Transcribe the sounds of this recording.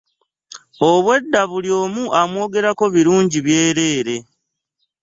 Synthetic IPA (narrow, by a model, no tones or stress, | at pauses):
o̞βwe̞dːaβuljo̞ːmuʔamwo̞ːɡe̞ɾako̞βiɾuːɲɟiβje̞ːɾe̞ːɾe̞